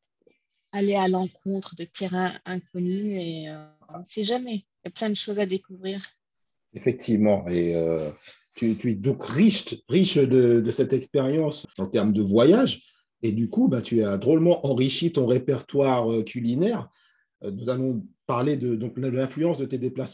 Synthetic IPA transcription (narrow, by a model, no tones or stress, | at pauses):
alealɑ̃kʰɔ̃t̪χəd̪ət̪eʁɛ̃ɛ̃kɔnyeø | ɔ̃sɛʒamɛjaplɛ̃d̪əʃozad̪ekuvʁiːʁ | efɛk̚t̪ʰivmɑ̃eø | t̪yt̪yɛd̪ɔ̃kʁiʃʁiʃd̪əd̪əsɛt̪ɛkspeʁjɑ̃sɑ̃t̪ɛʁmd̪əvwajaʒ | ed̪ykubɛ̃t̪ʰyad̪ʁolmɑ̃ʔɑ̃ʁiʃit̪ɔ̃ʁepɛʁt̪waʁøkʰʲylinɛʁ | nuzalɔ̃paʁled̪əd̪ɔ̃kləlɛ̃flyɑ̃sd̪ət̪ed̪eplas